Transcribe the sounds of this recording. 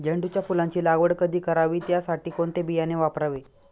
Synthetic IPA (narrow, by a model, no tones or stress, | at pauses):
d͡ʑəɳɖut͡ɕjafulãɲt͡ɕiːlaɡʋəɽkəd̪ʱiːkəɾaʋiːt̪jasaʈiːkoɳt̪ebijaneʋapɾaʋe